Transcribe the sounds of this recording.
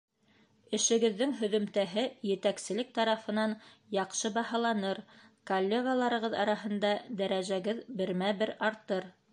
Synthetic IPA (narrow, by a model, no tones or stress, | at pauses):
ɘ̆ʃɘ̆ɡɘ̆ðːɘŋɦɵ̆ðɵ̆mt̪æɦɘjɘ̆t̪æksɘ̆lɘk̚t̪ɑɾɑfɤ̆nɑnjɑqʃɤbɑɦɑlˠɑnɤɾkolʲːeɡalˠɑɾɤ̆ʁɤðɑɾɑɦɤ̆nd̪ɑd̪æɾæʒæɡɘðbɘ̆ɾmæbɘɾɑɾt̪ɤɾ